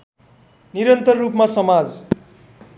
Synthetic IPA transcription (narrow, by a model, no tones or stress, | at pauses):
niɾʌnt̪ʌrːupmasʌmad͡z